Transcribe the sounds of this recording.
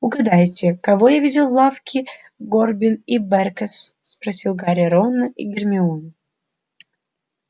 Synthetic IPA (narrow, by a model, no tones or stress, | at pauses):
ʊɡɐd̪ajtʲɪkɐvojavʲidʲɪlˠlːˠafkʲɪ | ɡorbʲɪnibɛrkəsspɾɐsʲilˠɡaɾʲɪjəɾonːəʔḭɡʲɪrmʲɪun